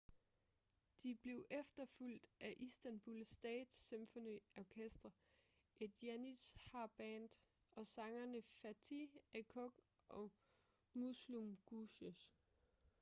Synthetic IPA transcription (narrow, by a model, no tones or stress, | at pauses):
d̥ib̥le̝ʊʔefd̥ɐful̰d̥ʔæʔisd̥ænb̥ulsd̥ɛ̰ːd̥semfɔniɒkʰesd̥ɐ | ʔe̝d̥jænishɑ̈b̥ɛːnd̥ | ɒ̽sɑ̈ŋɐnəfæt͡sʰiekʰɔɡ̥ʔɒ̽ | muslumɡ̥uɕos